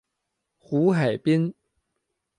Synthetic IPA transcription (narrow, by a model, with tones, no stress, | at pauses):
xu˧˥xa˨˩ɪpi˥n